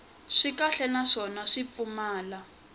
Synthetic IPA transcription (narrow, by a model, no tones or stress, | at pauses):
ʂikaɬɛnaʂɔnaʂip̪fumaːla